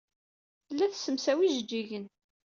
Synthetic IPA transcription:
θəlːæθsəmsæwiʒd͡ʒːiʝən

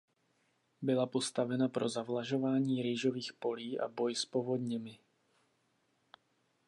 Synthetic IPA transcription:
bilapɔst̪avɛnapɾɔzavlaʒɔvaːɲiːɾiːʒɔviːxpɔliːʔa̰bɔjspɔvɔd̪ɲɛmi

